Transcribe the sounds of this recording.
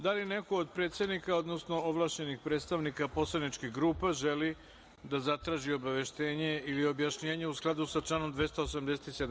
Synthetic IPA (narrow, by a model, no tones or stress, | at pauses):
d̪aline̞ko̞od̪pɾe̞ːt̪sed̪nikao̞d̪no̞sno̞oʋlˠaːʃɲe̞nixpɾe̞ːt̪st̪aʋnikapo̞slˠad̪nit͡ʃkiɣɡɾuːpaʒe̞li | d̪azat̪ɾaːʒio̞baʋe̞ʃt̪e̞ːɲe̞ilio̞bjaʃɲe̞ːɲeusklˠad̪usat͡ʃlano̞md̪ʋe̞st̪oosamd̪e̞set̪ised̪